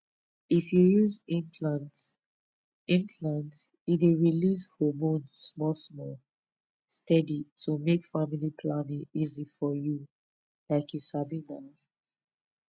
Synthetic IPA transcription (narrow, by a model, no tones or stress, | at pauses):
ifjujuzĩnpʰlant | ĩnkʰlãnt | ideɹilishomõnsmɔlsmɔl | stɛditʰumekfamilipʰlanĩŋizifɔju | laɪkʰjusabina